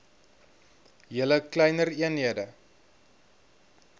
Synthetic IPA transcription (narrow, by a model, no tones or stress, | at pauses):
jələklɛjnəriənɦiədə